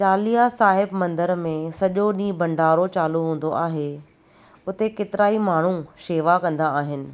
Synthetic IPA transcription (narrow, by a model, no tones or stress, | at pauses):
t͡ɕaːlijasaːɦɪbmɐ̃nd̪əɾmẽsɐʄoɗĩːbɐ̃ɳɖʱaːɾot͡ɕaːluɦũːn̆d̪oʔaːɦe | ʊt̪eket̪ɪɾaːimaːɳ̤uʃeːʋakɐ̃nd̪aːɦɪnɪ̆